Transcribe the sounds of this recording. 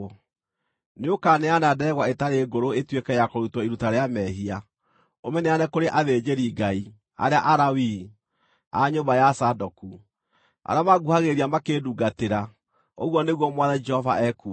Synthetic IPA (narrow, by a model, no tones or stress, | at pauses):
neokanɛanadɛɣwaetaɾeːɡoɾoetwekɛjakoɾutwɔiɾutaɾeamɛɦia | omɛneanɛkoɾeʔaðed͡ʒeɾiːɡai | a̰ɾeaʔaɾawi | a̰ɲobajasadɔku | a̰ɾeamaɡuhaɣeɾiamakeduɡateɾa | oɣwɔneɣwɔmwaðɛd͡ʒɛhɔva̰ʔɛku